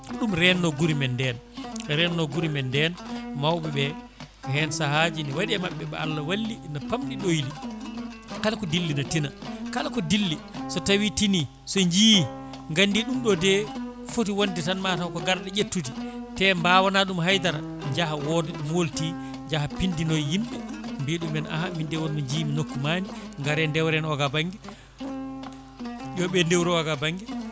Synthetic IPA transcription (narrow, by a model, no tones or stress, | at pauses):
ɗumɾɛnːɔɡuɾimɛndɛnɾɛnːɔɡuɾimɛndɛnmawɓɛɓɛ | kɔhɛnsaɦad͡ʒiniwaɗiɛmaɓːɛɓɛ̰a̰lːawalːinapamɗiɗojli | kalakɔdilːinatinakalakɔdilːi | sɔtawitini | sɔɲd͡ʒij | ŋɡandiɗumɗɔdɛ | fotiwonditanmatakɔɡaɾɗɛʔetːutitɛmbawanaɗumɦajd̪aɾa | ɲd͡ʒahawɔdɛɗumwolti | ɲd͡ʒahapindinɔjːimɓɛmbiɗumɛnʔa̰hamindɛwɔnːɔɲd͡ʒijminokːumaːniŋɡaɾɛndɛwɾɛnɔɡabaŋɡɛ | jɔɓɛndewɾɔwaɡabaŋɡɛ